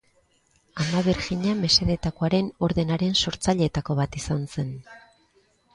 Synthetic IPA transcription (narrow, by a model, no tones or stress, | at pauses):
amaβeɾɣiɲame̞se̞ðe̞t̪ako̞aɾe̞no̞ɾðe̞naɾe̞nso̞ɾt͡saʎe̞ːt̪ako̞βat̪isanse̞n